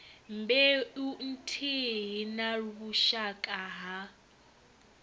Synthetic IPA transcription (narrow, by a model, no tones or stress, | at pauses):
mbɛun̩tʰiɦinaruβuʃakʼaɦa